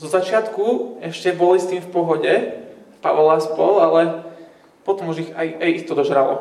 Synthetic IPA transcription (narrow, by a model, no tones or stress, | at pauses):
zɔzat͡ʃɪat̪kuɛʃcɛbɔlist̪iːmfpɔɦɔɟɛpa̰ʋɔlaspɔlalɛ | pɔt̪ɔmuʒixajajixt̪ɔd̪ɔʒɾalɔ